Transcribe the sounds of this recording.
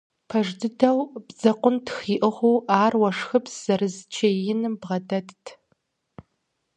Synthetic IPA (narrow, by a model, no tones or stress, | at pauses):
pʰɐʐdɨdɐwbzɐqʷʊntxiːʔɨʁʷuːʔaːrwɐʂxɨpsz̥ɐrɨzt͡ʃʰejɪnɨmbʁɐdɐttʰ